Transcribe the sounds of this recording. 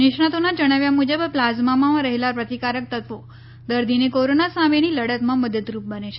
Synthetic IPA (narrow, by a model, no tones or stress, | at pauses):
niʂɳ̃at̪onad͡ʒəɽ̃aʋjamud͡ʒəbplazmamããɾəɦelapɾət̪ikaɾək̚t̪ət̪ʋo | d̪əɾd̪ʱinekoɾonasãmeñiləɽət̪mãməd̪ət̪ɾup̚bəneʃe